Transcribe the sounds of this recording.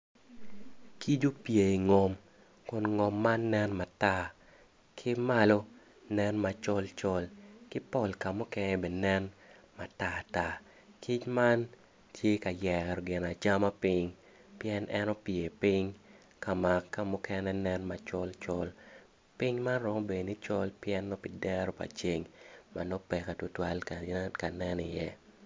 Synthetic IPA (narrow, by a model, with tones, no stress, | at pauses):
ki˦d͡ʒo˦pje˨i˨ŋɔ˨m | kʊ˨nŋɔ˨mːa˦nːɛ˦nma˨ta˦˨ | kʰɪ˦ma˦lo˦ | nɛ˦nma˨t͡ʃɔ˦lt͡ʃɔ˦lkɪ˦pɔ˨lka˨mʊ˦kɛ˦nɛbe˨nɛ˦n | ma˨ta˦˨ta˦ | kʰi˦t͡ʃma˦n | tʰje˦ka˨jɛkɛ˨ɾɔ˨ɡɪ˨na˨t͡ʃa˦ma˦pɪ˦ŋ | pjɛ˦nʔɛ˦nɔ˦pje˨pi˦ŋ | ka˨ma˨kːa˦mʊ˦kɛnɛ˦nɛ˦nma˨t͡ʃɔ˦lt͡ʃɔ˦l | pi˦ŋma˦nɾɔ˦mɔ˦be˨ni˦t͡ʃɔ˦lpjɛ˦nːɔ˦pi˨dɛ˦ɾɔ˦pa̰˨t͡ʃe˨ŋma̰˨nɔ˦pɛ˨ka˨tu˨twa˦lka˨nɛ˦nɪ˨jɛ˦